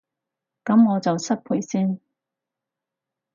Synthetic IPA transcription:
kɐ˨˥mŋɔː˨˧t͡sɐ˨wsɐ˥t̚pʰuː˨˩jsiː˥n

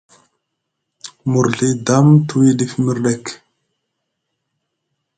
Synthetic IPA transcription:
mu˨ɾɮi˦da˦mtʰu˦wi˦di˦fmi˦ɾɗe˨k

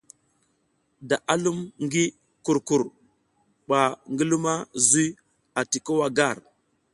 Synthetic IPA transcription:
da˨ʔa˦lu˦mŋɡi˦ | ku˨ɾku˨ɾ | ɓa˨ŋɡi˦lu˦ma˦zu˦ | a˨ti˨ko˦wa˦ɡa˦˨ɾ

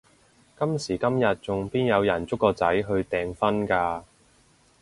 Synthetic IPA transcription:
kɐ˥msiː˨˩kɐ˥mjɐ˨t̚t͡sʊ˨ŋpiː˥njɐ˨˧wjɐ˨˩nt͡sʊ˥kːɔː˧t͡sɐ˨˥jɦɵ˧ɥt̪ɛː˨ŋfɐ˥nkaː˧

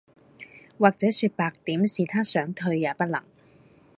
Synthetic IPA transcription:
waː˨k̚t͡sɛː˨˥syː˧t̚paː˨k̚t̪iː˨˥msiː˨t̪ʰaː˥sœː˨˥ŋt̪ʰɵ˧ɥjaː˨˧pɐ˥t̚lɐ̰˨˩ŋ

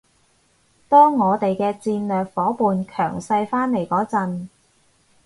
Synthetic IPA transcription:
t̪ɔː˥ŋːɔː˨˧t̪e˨jkɛː˧t͡siː˧nlœː˨k̚fɔː˨˥puː˨nkʰœː˨˩ŋsɐ˧jfaː˥nle˨˩jkɔː˨˥t͡sɐ˨˧n

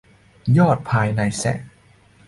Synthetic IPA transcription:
jɔː˥˩t̪̚pʰaː˧jna˧jsɛ̰˧˥˩ʔ

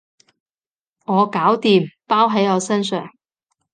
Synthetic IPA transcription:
ŋɔː˨˧kaː˨˥wt̪iː˨mpaː˥wɦɐ˨˥jɔː˨˧sɐ˥nsœː˨ŋ

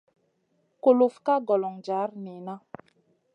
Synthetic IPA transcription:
ko˨lo˨fka˦ɡɔ˨lɔ˨ŋd͡ʒa˨˦ɾni˨na˦

